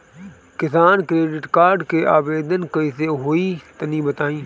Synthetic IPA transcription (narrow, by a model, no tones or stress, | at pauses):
kɪsaːnkɾeːɖɪʈkaːɾɖkeːʔaːʋeːd̪ənkɐiseːɦoːit̪ɐnĩːbɐt̪aːĩː